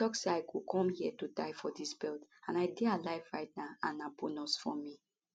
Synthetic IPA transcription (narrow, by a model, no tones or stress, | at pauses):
tɔkseaɪkukʰɔ̃mhiɛtudaɪfɔdisbɛltãnaɪdealaɪvɹaɪt̚naãnabonɔsfɔ̰mi